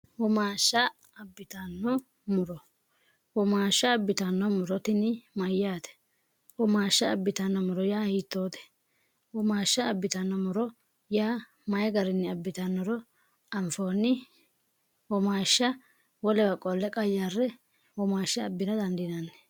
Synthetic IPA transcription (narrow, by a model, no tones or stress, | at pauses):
wɔmaːʃːɐ | ɐbːɪt̪ɐnːɔ | mʊɾɔ | wɔmaːʃːɐːbːɪt̪ɐnːɔmʊɾɔt̪ɪnɪmɐjːaːt̪ɛ̥ | wɔmaːʃːɐːbːɪt̪ɐnːɔmʊɾɔjaːhiːt̪ːoːt̪ɛ̥ | wɔmaːʃːɐːbːɪt̪ɐnːɔmʊɾɔ | jaː | mɐjɡɐɾɪnːɪɐbːɪt̪ɐnːɔɾɔ | ɐnfoːnɪ | wɔmaːʃːɐ | wɔlɛwɐkʼɔlːɛkʼɐjːarːɛ | wɔmaːʃːɐːbːɪnɐd̪ɐnd̪ɪnɐnːɛ̥